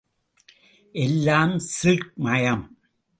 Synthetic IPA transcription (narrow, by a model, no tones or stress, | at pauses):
ʔɛlːaːmsɪk̚mɐjɐm